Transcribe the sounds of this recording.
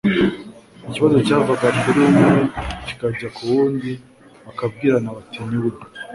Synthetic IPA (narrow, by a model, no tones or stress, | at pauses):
niciβazo̞t͡ʃaːvaɡaɾɡeɾimeci̥kaɟakuβuːndi | βakab̚ɡiːɾanaβatʰiniβuɾ